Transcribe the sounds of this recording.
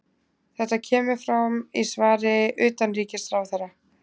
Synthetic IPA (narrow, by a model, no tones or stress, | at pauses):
θɛht̪ːacʰɛːmɪ̥fɾamisvaːɾɪʔʏːt̪anriːcɪsθɾaːwθɛɾa